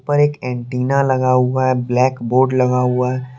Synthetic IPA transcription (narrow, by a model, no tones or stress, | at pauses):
pɐɾeːkɛ̃ːɳʈiːnalɐɡaɦʊaɦɛblɛːkboːɾɖlɐɡaɦʊaɦɛ